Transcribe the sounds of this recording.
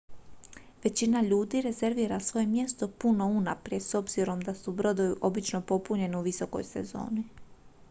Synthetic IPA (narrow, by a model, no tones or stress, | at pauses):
ʋe̞t͡ɕinaʎuːd̪iɾe̞ze̞ɾʋiːɾasʋo̞je̞mje̞st̪o̞puno̞unapɾie̞so̞bz̥iɾo̞md̪asubɾo̞d̪ojiʔo̞bit͡ʃno̞po̞puɲe̞niuʋiso̞ko̞̰jse̞̰zo̞̰ːni